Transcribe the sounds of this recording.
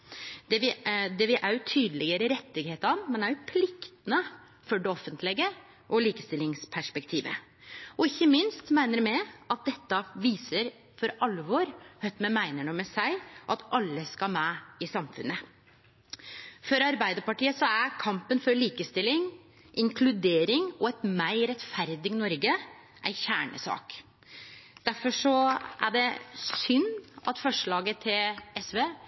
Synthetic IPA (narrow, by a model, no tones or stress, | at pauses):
d̪ɛʋɪd̪ɛʋɪʔæʉt̪ʰyːd̪əlɪɡəɾəɾɛt̪ːɪɡheːt̪əɑnmɛnæɾjʊpʰlɪkt̪ənə | fɔɖɛɔfːənt̪ʰlɛɡə | ʔɔliːkəst̪ɪlːɪŋspʰæʂpɛkt̪ʰiːʋə̰ | ɔɪçːəmɪnst̪mæɪnəɾmɛɑt̪̚d̪ɛt̪ːɑʋiːsəɾ | fɔɾɑlːəʋɔːɾhœt̪mɛmæɪnəɳəmɛsæɪʔɑt̪ʔɑlːəskɑlmæɪsɑmfʉ̰nːə | fɔɾɑɾbæɪd̪əɾpɑʈiːəsɔæɾkʰɑmpənfɔɾɭiːkəst̪ɪlːɪŋ | ʔɪŋkʰlʉd̪eːɾɪŋɔɛt̪mæɪɾɛt̪fæɾd̪ɪɡnɔɾɡə | ʔæ̰ɪçæːɳə̰sɑ̰ːk | d̪̥æɾfɔʂɔʔæɖɛsʏnːɑt̪fɔʂɭɑːɡət̪ʰɪlɛsʋeː